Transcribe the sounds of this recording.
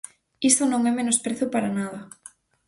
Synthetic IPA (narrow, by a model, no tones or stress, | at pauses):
ist̪onõŋɛmenospɾeθʊpaɾanað̞ɐ